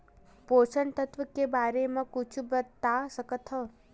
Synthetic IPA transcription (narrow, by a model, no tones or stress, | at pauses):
pot͡ʃəɳt̪ət̪ʋəkebaɾemãkut͡ʃʰubət̪asəkət̪ʰɔ